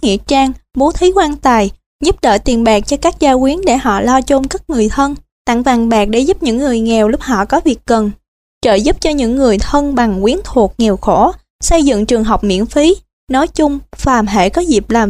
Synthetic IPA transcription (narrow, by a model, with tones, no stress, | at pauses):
ŋḭ˧˨ət͡ɕaː˧ŋɓo˨˦t̪ʰi˨˦kwaː˧nt̪aː˨˩j | zu˦˥p̚ɗə̰ː˧˨jt̪i˨˩ənɓaː˨˩k̚t͡ɕɔ˧kaː˦˥k̚zaː˧kwi˨˦ənɗe˧˩hɔ̰˧˨lɔ˧wt͡ɕo˧mkə˦˥t̚ŋɨ˨˩əjt̪ʰə˧n | t̪a̰˧˨ŋvaː˨˩ŋɓaː˨˩k̚ɗḛ˧˥zu˦˥p̚ɲɨ̰˧˥ŋːɨ˨˩əjŋɛ˨˩wlʊ˦˥k͡p̚hɔ̰˧˨kɔ˨˦vi˨˩ək̚ːə˨˩n | t͡ɕə̰ː˧˨zu˦˥p̚t͡ɕɔ˧ɲɨ̰˧˥ŋːɨ˨˩əjt̪ʰə˧nɓa˨˩ŋkwi˨˦ənt̪ʰu˨˩ək̚ŋɛ˨˩əwxo˧˩ | sə˧jzɨ̰˧˨ŋt͡ɕɨ˨˩əŋɦə˨˩wk͡p̚mḭ˧˥ənfi˨˦ | nɔ˨˦jt͡ɕʊ˧ŋ͡mfaː˨˩mɦḛ˧˨kɔ˨˦zi˨˩p̚laː˨˩m